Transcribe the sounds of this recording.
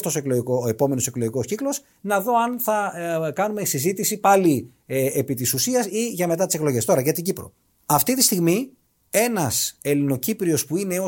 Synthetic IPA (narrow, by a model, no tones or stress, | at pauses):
t̪osoekloʝikoepo̞me̞no̞se̞klo̞ʝiko̞sciklo̞s | nɐðo̞ɐnθɐkɐnumesizit̪isipɐli | epit̪isusiɐsiʝɐme̞t̪ɐt̪ise̞klo̞ʝe̞st̪o̞ɾɐʝɐt̪iɟipɾo̞̰ | ɐft̪it̪ist̪iɣmi | e̞nɐse̞lino̞cipɾio̞spuine̞o